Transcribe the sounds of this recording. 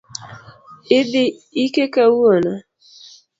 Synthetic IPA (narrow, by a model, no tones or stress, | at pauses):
ɪdɪikekawona